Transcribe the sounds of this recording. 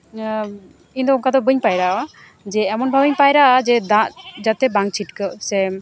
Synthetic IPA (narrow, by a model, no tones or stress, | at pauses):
iɲd̪ɔuŋkad̪ɔbəɲpajɾawa | d͡ʒɛɛmɔnbʱabiɲpajɾaad͡ʒɛd̪ãʔd͡ʒat̪ɛbaŋ̚t͡ʃʰiʈkəsɛ